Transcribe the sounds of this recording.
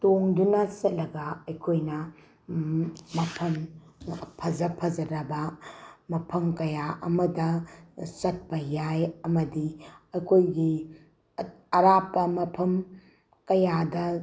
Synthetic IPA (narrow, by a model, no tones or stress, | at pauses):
toŋdunɐsɐt̚lɐɡɐɐjkʰojnɐ | mɐpʰɐm | pʰɐzɐpʰɐzɐɾɐbɐmɐpʰɐmkɐjaʔɐmɐdɐsɐt̚pɐjajɐmɐdiɐkʰojɡi | ɐɾapːɐmɐpʰɐm | kɐjadɐ